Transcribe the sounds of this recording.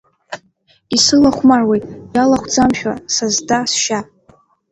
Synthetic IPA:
isɨlaχʷmarwejtʼjalaχʷʰd͡zamʃᶣa̰sazdasʃa

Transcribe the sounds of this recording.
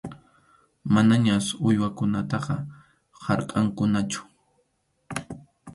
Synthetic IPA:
manaɲasʊjwakʊnat̪ɑqɑ | hɑɾqʼɑŋkʊnat͡ʃʊ̥

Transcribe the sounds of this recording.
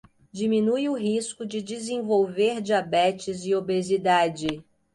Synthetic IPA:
d͡ʒimĩnujʊɦiskʊd͡ʒɪd͡ʒizẽvowveɾd͡ʒiabɛt͡ʃɪzɪobezid̪ad͡ʒɪ

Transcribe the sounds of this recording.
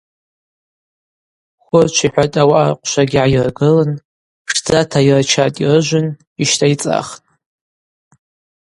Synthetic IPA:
χʷʊrt͡ʃʷʰiħʷᶣatʼawaʔaqʷʼʃʷaɡʲʕajirɡɨlɨn | ʂd͡zatʰairat͡ʃʰatʼirɨʒʷʊn | iʃtʰait͡sʼa̰χtʼ

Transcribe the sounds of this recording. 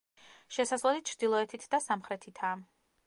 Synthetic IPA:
ʃɛsasʁlˠɔd̪it̪̚t͡ʃʰɾd̪ilˠɔɛt̪ʰit̪ʰd̪asamχɾɛt̪ʰit̪ʰaː

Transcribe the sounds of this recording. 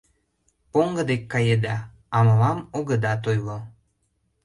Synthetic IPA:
poŋɡə̆d̪ekːɑjed̪ɑ | ɑməlɑmoɣəd̪ɑt̪̬ojlo

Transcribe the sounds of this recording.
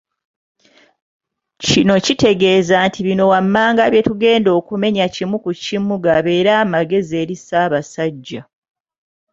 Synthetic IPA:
cino̞cite̞ɡe̞ːzantʰiβino̞wamːaːŋɡaβje̞tuɡe̞ːndo̞ːkume̞ɲacimukucimːuɡaβeːɾaːmaɡe̞ze̞ɾisaːβasaɟːa

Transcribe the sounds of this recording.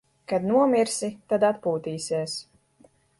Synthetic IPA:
kad̪nuɔmʲiɾsit̪ad̪at̪puːt̪iːsʲiɛs

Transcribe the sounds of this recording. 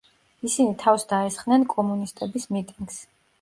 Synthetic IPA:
isinit̪ʰafsd̪aɛsχnɛnkʼɔmunist̪ʼɛbismit̪ʼiŋɡs

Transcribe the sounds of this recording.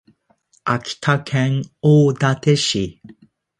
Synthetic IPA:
akʲi̥t̪ʰakʰẽŋoːd̪at̪eɕi

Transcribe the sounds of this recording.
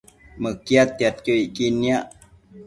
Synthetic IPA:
məkjat̪ːjat̪̚kəikiniaʔ

